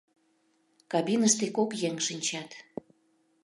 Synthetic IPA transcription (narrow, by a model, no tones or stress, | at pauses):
kɑbinəʃt̪ekokjeŋʃɨnʲt͡ɕɑt̪